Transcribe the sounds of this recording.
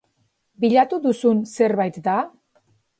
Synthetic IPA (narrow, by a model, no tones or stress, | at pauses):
biʎat̪uðusunse̞ɾβajt̪d̪a